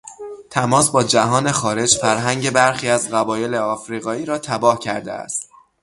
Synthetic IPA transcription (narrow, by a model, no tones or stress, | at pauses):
t̪ʰæmɒːsbɒːd͡ʒæɦɒːne̞xɒːɾe̞d͡ʒfæɾɦæŋɟe̞bæɾxiːæzɢæbɒːje̞le̞ɒːfɾiːɣɒːiːɾɒːt̪ʰæbɒːhcʰæɾd̪e̞̰æ̰st̪